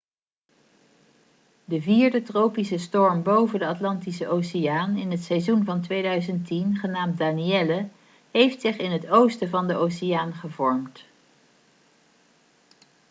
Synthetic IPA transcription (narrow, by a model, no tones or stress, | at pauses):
dəviːɹdətrowpisəstɔɹmbowvəndəɑtlɑntisəʔowsɪjaːnɪnɦətsɛjzunvɑntʋejdœɥzəntinχənaːmt̚daːniɛlə | ɦejftsɪχɪnɦətowstəvɑndəʔowsɪjaːnχəvɔɹmt